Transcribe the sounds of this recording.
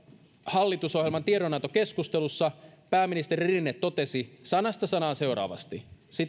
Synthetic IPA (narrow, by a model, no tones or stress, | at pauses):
hɑlːit̪uso̞ɦjelmɑnt̪ieɾonɑt̪oke̞skust̪elusːɑpæːmːinist̪eɾirinːet̪ːo̞t̪e̞sisɑnɑst̪ɑsɑnɑːnse̞oɾɑ̰ːʋɑ̰st̪isi